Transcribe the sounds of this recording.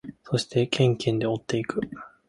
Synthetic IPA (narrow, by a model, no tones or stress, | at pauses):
so̞ɕi̥t̪ʰe̞kʰẽ̞ŋkẽ̞nd̪e̞o̞t̪ːe̞ikɯ̟